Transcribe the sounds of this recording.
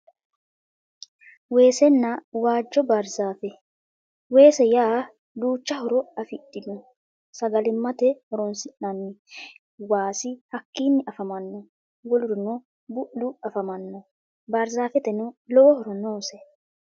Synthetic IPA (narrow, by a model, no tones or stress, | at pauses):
we̞ːsɛnːɐwaːd͡ʒːɔbɐɾzaːfɛ | we̞ːsɛjaː | d̪uːt͡ʃːɐɦɔɾɔɐfɪɗːɪnɔ | sɐɡɐlɪmːɐt̪ɛhɔɾɔnsɪʔnɐnːɪ | waːsɪhɐkːiːnːɪʔɐfɐmɐnːɔ | wɔlʊɾʊnɔ | bʊʔːʊɐfɐmɐnːɔ | bɐɾzaːfɛt̪ɛnʊlɔwɔhɔɾɔnoːsɛ